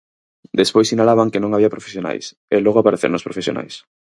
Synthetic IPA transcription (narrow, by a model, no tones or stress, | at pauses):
d̪espojsinalaβaŋkenõŋaβiɐpɾofe̥sjona̰js | elɔɣoapaɾeθḛɾnospɾofesjo̰na̰js